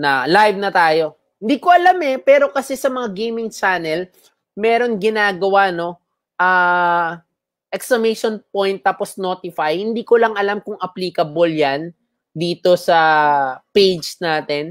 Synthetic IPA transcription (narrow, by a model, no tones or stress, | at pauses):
nɐlajvnɐt̪aːjo̞ | hɪnd̪iːkoʔɐlamɛpɛːɾo̞kɐsɛsɐmɐŋaɡejmɪŋt͡ʃaːnɛl | mɛːɾo̞nɡɪnaːɡɐwano̞ | ʔaː | ʔɛksɐmejʃonpo̞jnt̪ːaːposno̞ːt̪ɪfajhɪnd̪iːkolɐŋʔɐlamkʊŋɐpliːkɐboljan | d̪iːt̪o̞sɐpejd͡ʒsnaːt̪ɛn